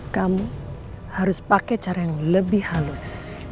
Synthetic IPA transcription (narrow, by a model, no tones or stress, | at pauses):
kamu | haɾʊspakɛt͡ʃaɾajaŋləbɪhalʊs